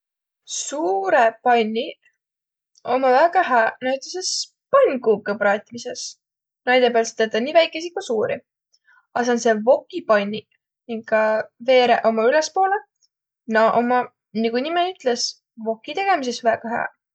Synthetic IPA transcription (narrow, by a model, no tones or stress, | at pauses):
suːɾe̞pɑnʲːi | o̞mɑvæɡ̥ɑɦæːnɑɥt̪ˑeses | pɑnʲɡuːb̚kəpɾɑːt̪ʲːimise̞s | nɑjd̪̥e̞peɑlset̪et̪ːɑniːvæjkːˑe̞sikusuːɾḭ | ɑseonse̞vo̞kːˑipɑjnʲːi | niŋɡkɑve̞ːɾeʔomɑyle̞spo̞ːle | nɑʔomɑ | niɡunimenyt̪le̞s | vo̞kːˑit̪e̞ɡ̥e̞mis̬e̞svæɡ̥ɑɦæ̰ː